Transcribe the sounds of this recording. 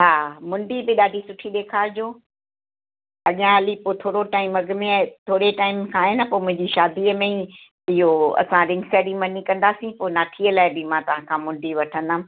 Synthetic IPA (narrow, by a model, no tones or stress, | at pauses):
ɦaːmʊ̃ɳɖibɪɗaːɖʱisʊʈʰiɗ̪eːkʰaːd͡ʑoː | ɐʄãɐlipoːt̪ʰoːɽoʈaːɪmɐɡɪmẽt̪ʰoːɾeʈaːɪmkʰãɦɪnəpoːɪmʊ̃ɦɪ̃ɲd͡ʑiʃaːd̪iəmẽi | ɪɦoɐ̰sãɾɪ̃ŋɡsɛːɽimɐnikɐ̃nd̪aːsĩpoːɪnaːʈʰiəlaːɪbɪmãːt̪ɐʋ̤ãkʰãːmʊ̃ɳɖiʋɐʈʰənə